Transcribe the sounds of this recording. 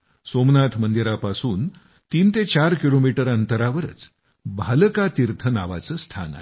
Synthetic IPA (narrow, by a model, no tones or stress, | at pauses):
somnat̪ʰmənd̪iɾapasuːn | t̪iːnt̪et͡ɕaɾkilomiʈəɾənt̪əɾaʋəɾə̰t͡s | bʱalkat̪iɾt̪ʰənaʋa̰t͡səːst̪ʰa̰na̰ɦe